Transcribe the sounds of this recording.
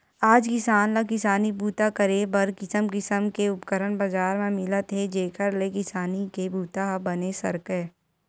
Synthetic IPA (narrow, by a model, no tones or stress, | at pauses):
aːd͡ʒkɪsaːnlakɪsaːnibuːt̪akəɾebɐɾkɪsəmkɪsəmkeʊpkəɾənbəd͡ʒaːɾmẽmɪlət̪ʰɦed͡ʒeːkəɾlekɪsaːnikebuːt̪aɦbɐnesɐ̰ɾkeː